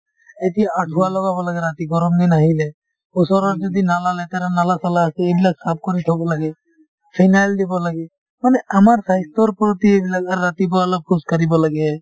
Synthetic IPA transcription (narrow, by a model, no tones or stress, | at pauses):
et̪iaaʈʰualɔɡabɔlaɡeɾat̪iɡɔɾɔmd̪inaɦile | ʊsɔɾɔɾd͡ʒɔd̪inalalet̪aɾanalasalaseebilaɡsap̚ʰkɔɾit̪ʰɔbolaɡe | pʰanajld̪ebolaɡe | maneəmaɾsajst̪oɾpɾot̪iebilaɡaɾːat̪ibɔələb̚kʰuskəɾibolaɡe